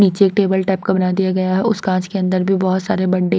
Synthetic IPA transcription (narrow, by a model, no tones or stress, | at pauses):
niːt͡ʃeeːk̚ʈeːbəlʈɛːp̚kabɐnaːd̪ijaɡɐjaɦɛʊskãːt͡ʃkeɐ̃nd̪əɾbʱibɔɦʊt̪saːɾebɐɽːe